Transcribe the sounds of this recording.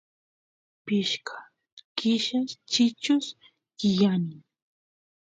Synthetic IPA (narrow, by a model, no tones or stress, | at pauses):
pɪʃkʰḁ | kɪʃaʃt͡ʃɪt͡ʃʊs | kɪjanɪŋ